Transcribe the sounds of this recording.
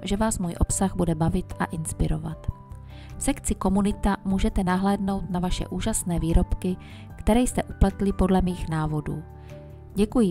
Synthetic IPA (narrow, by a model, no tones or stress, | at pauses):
ʒɛvaːsmuːjʔo̞psaɣbudɛbavɪt̪ʔa̰ʔɪnspɪɾova̰t̪ | fsɛkt͡sɪko̞munɪt̪amuːʒɛt̪ɛnaɦlɛːdno̞wt̪navaʃɛ̰ʔuːʒasnɛːviːɾo̞pkɪ | kt̪ɛɾɛjst̪ɛʔuplɛt̪lɪpo̞dlɛmiːxnaːvo̞dṵː | ɟɛkujɪ